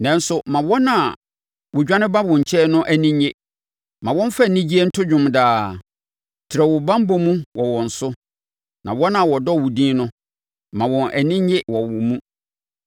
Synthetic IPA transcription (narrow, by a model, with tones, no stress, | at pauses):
nɛ̃˨˦n̩˦sʊ˦mã˨wɔ˦nã˨ | wʊ˨d͡ʑᶣã˦nɪ̃˦ba˦wʊ̃˨ɲ̩˨t͡ɕʰɛ˦nʊ̃˦ʔæ˨nĩ˦ɲe˦ | mã˨wɔ̃˦n˦fa˦˨nĩ˦d͡ʑi˦e˦n̩˦tʰʊ˦d͡ʑᶣʊ̃˨mdaː˨ | tʰɪɾɛ˨wʊ˨bã˦m˦bɔ˦mũ˦wɔ˨wɔ̃˨n̩˨sʊ˦ | nã˨wɔ˦nã˨wɔ˨dɔ˦˨wʊ˨dĩː˦nʊ̃˦ | mã˨wɔ̃˨nʔæ˨nĩ˦ɲ˦ɪ˦wɔ˨wʊ̃˨mũ˦